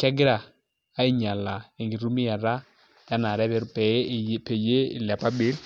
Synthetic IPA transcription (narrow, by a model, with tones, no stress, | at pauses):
kɛ˦ɡɪ˦ɾa˨ | a˦i˦˨ɲa˨la˨e˨ŋɡi˨ɾu˦mi˦ja˨ɾa˦ | ja˦na˨ɾɛ˦βɛ˦ɾpɛ˨˦˨pe˨je˦ɪ̰˨la˨pa˦bi˦l